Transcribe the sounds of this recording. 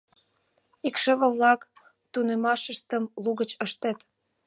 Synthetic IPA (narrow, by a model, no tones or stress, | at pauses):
ikʃəβə̆βlɑk | t̪unemɑʃəʃt̪əmluɣət͡ɕəʃt̪et̪